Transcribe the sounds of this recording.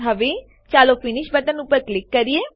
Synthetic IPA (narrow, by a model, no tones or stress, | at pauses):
ɦəʋeː | t͡ʃaːloːpʰɪnɪʃbəʈənupːəɾklɪkːəɾieː